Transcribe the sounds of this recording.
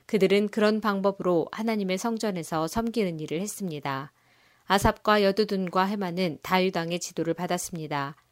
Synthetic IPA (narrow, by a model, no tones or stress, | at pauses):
kɯdɯɾɯnkɯɾʌnpaŋbʌbɯɾohanaɲime̞sʰʌŋd͡ʑʌne̞sʰʌsʰʌmɡinɯniɾɯɭhe̞s͈ɯmɲida | asʰap̚k͈wajʌdudunɡwaɦe̞manɯntajudaŋe̞t͡ɕidoɾɯɭpadas͈ɯmɲida